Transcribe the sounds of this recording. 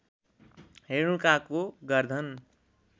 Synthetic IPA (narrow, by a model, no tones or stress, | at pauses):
ɦeɾukakoɡʌrd̪ʱʌn